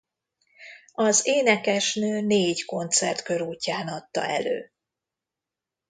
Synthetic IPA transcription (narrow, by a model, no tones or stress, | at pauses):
ɒzeːnɛkɛʃnøːneːɟko̞nt̪sɛ̰rt̪kø̞ɾuːcːaːnɒt̪ːɒ̰ɛ̰lø̰ː